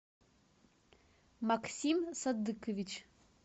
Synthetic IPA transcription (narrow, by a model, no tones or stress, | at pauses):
maksʲimsad̪ːɨkʰovʲit͡ʃ